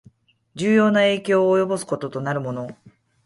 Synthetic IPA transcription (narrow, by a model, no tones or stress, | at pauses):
d͡ʑɨːjo̞ːnae̞ːkʲo̞ːjo̞bo̞sɨ̥ko̞t̪o̞t̪o̞naɾɯ̟mo̞no̞